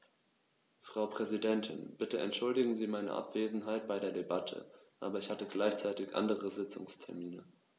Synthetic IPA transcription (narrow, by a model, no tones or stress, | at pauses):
fʁ̥aʊpʁ̥ɛzidɛntʰɪnb̥ɪtəɛ̰ntʃʊldɪɡŋ̩ziːmaɪnə̰ʔa̰pv̥eːzn̩ɦaɪt̚b̥aɪɾeːɐdebatʰə̰ʔaːbɐɪçhatəɡlaɪçt͡saɪtɪçʔa̰ndəʁəzɪt͡sʊ̰ŋstʰɛɐmiːnə